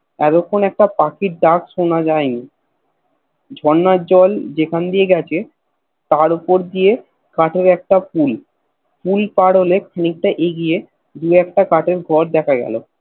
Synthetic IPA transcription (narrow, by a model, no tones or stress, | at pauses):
ɛt̪okʰːonɛk̚ʈapakiʈ̚ɖakʃonad͡ʑajni | d͡ʑʱɔnːad͡ʑɔld͡ʑekʰand̪ijeɡɛt͡ɕʰe | t̪aɾupoɾd̪ie | kaʈeɾɛk̚ʈaful | fulpaɽolekʰanik̚ʈaʔeɡije | d̪uɛk̚ʈakaʈeɾɡʱɔɾd̪ɛkʰaɡɛ̰lo